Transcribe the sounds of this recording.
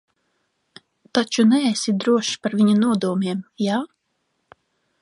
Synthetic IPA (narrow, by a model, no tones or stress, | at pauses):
t̪at͡ʃunɛːsid̪ɾuɔʃpaɾvʲiɲanuɔd̪uɔmʲiɛmja